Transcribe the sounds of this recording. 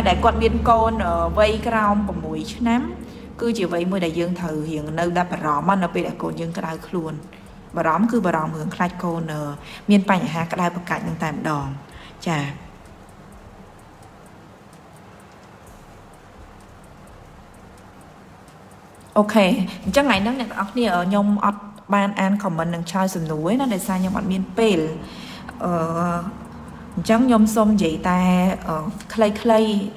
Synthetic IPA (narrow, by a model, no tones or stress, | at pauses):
aɗaɛlkŏət̪̚miənkoːnʔəːʋəjkraɔmpramːuəjt͡ɕʰnam | kɨːt͡ɕiəʋɨjmuəjɗaɛljəːŋt̪ʰəwɦiəŋnɨwɗaɓɑɾɑmːɑːnɨwpeːlɗaɛlkoːnjəːŋkəɗawkʰluən | ɓɑɾɑmkɨːɓɑːɾɑmːɨəŋkʰlaːc̚koːnʔəːmiənpaɲːaɦaːkə̆ɗawpakaːc̚nɨŋt̪aɛmə̆ɗɑːŋt͡ɕaː | ʔoːkʰeːɲt͡ɕəŋʔanɨŋnɛ̆ʔt̪ɑŋʔɑhkʰniəʔəːɲomʔɑ̰t̪̚ | ɓaːnʔaːnkʰɑmɨnːɨŋt͡ɕʰlaəsɑmnuənahɗaɔjsaːɲomʔɑ̰t̪̚miənpeːl | ʔəː | ɲt͡ɕəŋɲomsoːmjiəjt̪aɛʔəːkʰləjkʰləj